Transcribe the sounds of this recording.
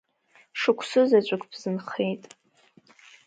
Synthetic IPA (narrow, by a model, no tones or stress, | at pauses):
ʂɨkʷʰsɨzat͡ɕʷʼakʰʼb̥zɨnχejtʼ